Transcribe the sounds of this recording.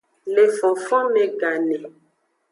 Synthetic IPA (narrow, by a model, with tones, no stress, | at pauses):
le˨fɔ̃˨fɔ̃˦mẽ˨ɡa˨nɛ̃˨